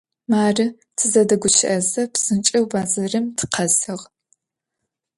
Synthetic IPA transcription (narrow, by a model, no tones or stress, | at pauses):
maːrɨ | tʰɨzɐdɐɡʷʊt͡ʃʰɪʔɐzɐpsɨnt͡ʃʼɐwbaːzɐrɨmtʰqʰɐzɨʁ